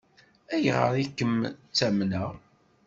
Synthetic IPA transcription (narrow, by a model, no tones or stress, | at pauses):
æjʁə̰ɾˤikːəmt͡sːæmnəʁ